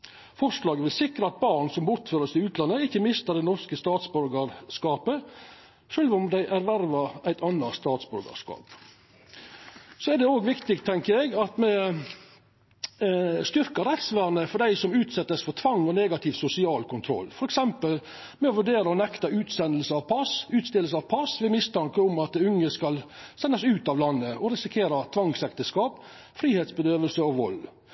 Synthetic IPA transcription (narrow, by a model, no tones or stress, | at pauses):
fɔʂlɑːɡəʋɪlsɪkɾəɑt̪̚bɑɾɳsɔmbʊɾt̪føːɾəsɪʉːt̪ʰlɑnːəɪçːəmɪst̪əd̪ɛɪnɔɾskəst̪ɑːt̪sbʉɾɡəɾskɑːpə | ʃøːlʋʊmd̪æɪʔæɾʋæɾʋɑæɪt̪ɑnːɑst̪ɑːt̪sbʉɾɡɑ̰ʂkɑ̰ːp | sɔæɾd̪ɛoːɡʋɪkt̪ɪɡt̪ʰɛŋkəɛɡɑt̪mɛ | st̪ʏɾkəɾɛt̪sʋæːɾnəfɔɖ̪æɪsɔmʉːt̪sɛt̪ːəsfɔt̪ʰʋɑŋːɔneːɡɑt̪ʰɪʋsʊsɪɑːlkʰʊnt̪ʰɾɔ̰lːfɔɾɛksɛmpəl | mɛɔʋʉɖeːɾəɔnɛkt̪ɑʉːt̪sɛnəl̩səɑʋpʰɑsʉːt̪st̪ɪlsəɑʋpʰɑsʋɛmɪst̪ʰɑŋkəʊmɑt̪̚ɛʉŋːəskɑlsɛnːɑsʉːt̪ɑʋlɑnːəʔɔɾɪsɪkʰeːɾɑt̪ʰʋɑŋsɛk̚t̪əskɑːp | fɾiːheːt̪sbəd̪øːʋəlsəɔʋɔ̰l